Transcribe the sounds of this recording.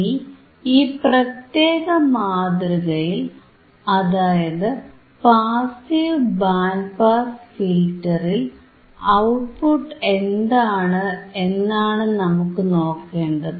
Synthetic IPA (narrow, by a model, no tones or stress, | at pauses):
i | iːprɐt̪je̞ːɣɐmaːd̪ɾiɣɐjil | ɐðaːjɐðɨ | paːsilbaːnpaːsfilʈːɐril | ɐwʈ̚puʈːe̞nd̪aːɳɨe̞nːaːɳɨnɐmukːɨno̞ːkːe̞ːɳɖɐðɨ